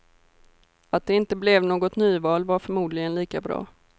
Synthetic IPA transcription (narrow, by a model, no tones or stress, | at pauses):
at̪̚d̪ɛɪnt̪əblɛvnoːɡɔt̪nyːvɑːlvaɾfœɾmuːd̪lɪɡənliːkabɾɑ̰ː